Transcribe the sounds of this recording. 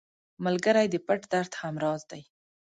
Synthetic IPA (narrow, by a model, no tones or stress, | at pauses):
malɡəɾajd̪əpaʈd̪aɾt̪hamɾɑzd̪aj